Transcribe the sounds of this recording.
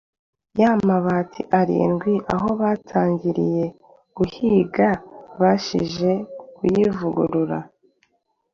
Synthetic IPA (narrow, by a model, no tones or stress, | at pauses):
jamaβaːtʰḭʔaɾḭnɡwiʔaɦo̞βaːtʰaːɲɟiɾḭje̞ | ɡ̥uhiɡaβaʃḭʒe̞kujivuɡuɾuɾa